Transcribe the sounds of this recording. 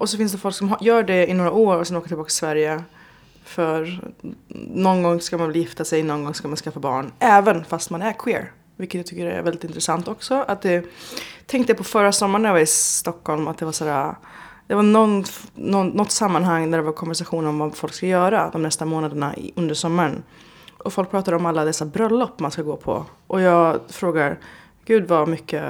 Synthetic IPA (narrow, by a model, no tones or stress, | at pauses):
ʔɔs̬ɔfɪns̬d̪ɛfɔlksɔmjœːɖɛɪnoːɾaoːɾɔsɛnoːkəjt̪ʰɪlbːkt̪ɪ̥svæɾjə | fœɾ | nɔnɡɔŋːskamanvɛlːjɪft̪asɛjnɔnɡɔŋskamanskafːabɑ̰ːɳʔɛːvənfast̪manæɾkʰwɪːɾ | vɪlkːət̪jat̪ʰʏkːədɛæ̰ɾvɛlɪt̪ɪnt̪ɾɛsant̪ɔksɔʔat̪̚d̪ɛt̪ʰɛŋk̚t̪əjapʰɔfœɾːasɔmːaɳajavaɾɪt̪ɔkʰːhɔlmat̪̚d̪ɛvaʂaːɾa | d̪̥ɛvaɳɔnɔnːɔt̪ːsamːanɦaŋːnæɖɛvaɾkʰɔnvæʂaɧuːnɔmvafɔlkskajœːɾad̪ɔmnɛst̪amoːnad̪əɳa̰ɪ̰ɵnd̪əʂɔmːaɾən | ʔɔfɔlk̚pʰɾɑːt̪ad̪əɔmalːad̪ɛsːabɾœlːɔpːmanskaɡoːpʰɔ̰ʔɔjɑːɡfɾoːɡaɾ | ɡ̥ʉ̟ːd̪vamʏkːə